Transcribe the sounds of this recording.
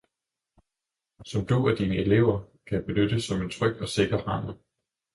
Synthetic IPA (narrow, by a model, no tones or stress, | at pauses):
sɒ̽md̥uæd̥iːnəele̝ʊ̰ɐkʰæjab̥e̝nød̥əsɒ̽me̝nt͡sʰʁœɡ̥̚d̥ɒ̽se̝ɡ̥ɐhɑ̈n̩ˠ